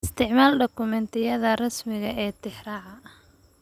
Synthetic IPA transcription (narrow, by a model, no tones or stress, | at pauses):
ɪst̪ʰɪʕmaːlɖɔkʊmɛnt̪ʰɪjɐðɐrɐsmɪɣɐʔɛːt̪ʰɪħrɑːʕɑ